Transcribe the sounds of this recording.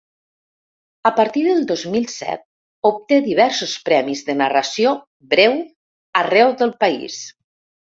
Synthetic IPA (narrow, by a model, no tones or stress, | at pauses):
əpəɾt̪iðəlˠd̪ozmilˠsɛ̰t̪̚ | up̚t̪eðiβ̞ɛɾsospɾɛmizðənərəsio | bɾɛw | ərɛwðəlˠpəḭs